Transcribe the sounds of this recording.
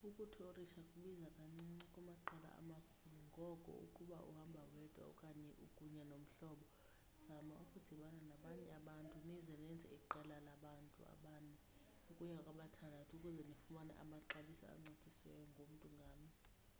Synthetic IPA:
ukʼutʰɔoriʃakʼuɓizakʼaŋ͡ǀiɛkʼumaǃɛla̰a̰makʰuuŋɡʱɔkʼɔ̰ṵkʼuɓaʔṵhambʱawɛtʼwa̰ṵkʼaɲɛʔukʼuɲɛnom̩ɬɔːɓɔ | z̥amaukʼud̥ʱiɓananaɓaɲɛaɓantʼunizɛnɛnd͡zʱɛ̰iǃɛlalaɓantʼṵa̰ɓaːnɛ | ukʼuɲakʼaɓatʰandʱatʰukʼuzɛnifumana̰ʔa̰maǃaɓisɔ̰a̰ŋ͡ǀecʼiswɛ̰jɔŋɡʱom̩tʼuŋɡʱaːmi

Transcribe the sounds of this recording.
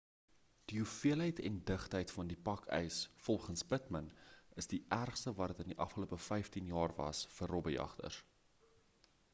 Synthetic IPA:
d̥iɦufiəlɦəjtʰɛ̰ndəχtɦəjtfɐndipɐkʰœ̰jsfɔlˠχənsbətmənəsdiʔærχstəvɑːɾətəndiʔɐfχəluəpəfɛjftinjɑːrvɐ̰sfərobəjɐ̰χtə̰r

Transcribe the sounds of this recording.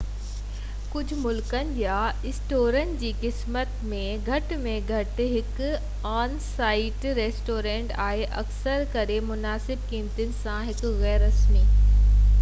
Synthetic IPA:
kʊd͡ʑʱʊmʊlkənɪ̆jaɪsʈoːɾən̆d͡ʑiːkɪsmət̪mẽɡʱɐʈmẽɡʱɐʈɦɪk | aːnsaːɪʈɾeːsʈoːɾẽːɳʈaːɦeʔɐksəɾkɐɾemʊnaːsɪb̚kiːmt̪ənɪ̆sãɦɪkɣɛːɾɐsmiː

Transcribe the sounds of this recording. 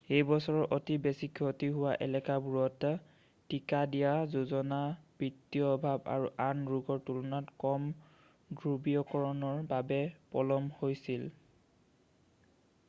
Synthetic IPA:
ejbɔsɔɹɔʔotibesikʰotiɦʊwaʔɛ̰lɛkabuɹɔtː | ikadijazuzɔnab̥ɹitːiɔbʱaba̰ɹuʔanɹuɡɔɹtulunatkɔm | ɡɹubiɔkɔɹɔnɔɹbabɛpɔlɔmhojsil

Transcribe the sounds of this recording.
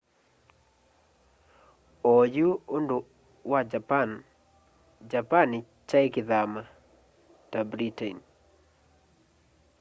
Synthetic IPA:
ɔjuondo | wad͡ʒapan | d͡ʒapanɪ | t͡ʃajɪkɪðama | tabɾiten

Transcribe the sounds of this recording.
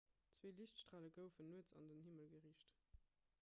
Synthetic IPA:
t͡sveːliɕtʃtʁ̥aːləɡəʊfənːuət͡sɑ̰ndənhiməlɡəʁiːɕt

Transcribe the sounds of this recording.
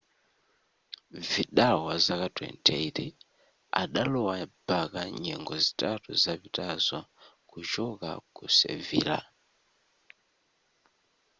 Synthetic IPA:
viɗawazakatwɛ̰ntʰɛiti | a̰ɗalɔwab̥akaɲɛŋɡɔzitatuzavitazɔ | kud͡ʒɔka̰kusɛ̰vḭːla̰

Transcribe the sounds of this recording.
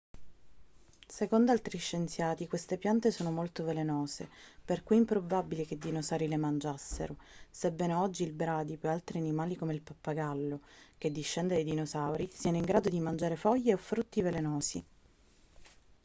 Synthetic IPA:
sekond̪oalt̪ɾiʃːent̪sjaːt̪ikwest̪epjant̪esoːnomolt̪ovelenoːsḛperkuimpɾobabilek̟ed̪ːinosawɾilemand͡ʒasːḛɾosebːɛːnoɔd͡ʒːiːlbɾaːd̪ipualt̪ɾianimaːlikomeilpapːaɡalːok̟ed̪ːiʃːɛnd̪ed̪ejd̪inosawɾisiːanoiŋɡɾaːd̪od̪imand͡ʒaːɾefɔjːeofːɾut̪ːivelenoːsḭ

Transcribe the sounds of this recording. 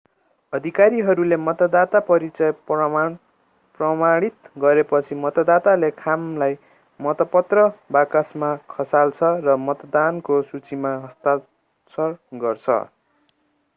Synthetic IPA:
ʌd̪ʱikaɾiɦʌɾulemʌt̪ʌd̪at̪apʌɾit͡sʌj | prʌmaɽ̃it̪ɡʌɾepʌt͡sʰimʌt̪ʌd̪at̪alekʰamlaj | mʌt̪ʌpʌt̪rʌbakasmakʰʌsalt͡sʰʌrʌmʌt̪d̪ankosut͡simaɦʌst̪a | sʰʌrɡʌrt͡sʰʌ̰

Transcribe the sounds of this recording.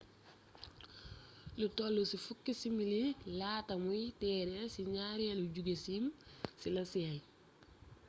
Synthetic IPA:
lutolːusifukːisimililaːtɐmuitɛːɾɛsiɲaːɾiɛluɟuɡesimsilɐsiɐj

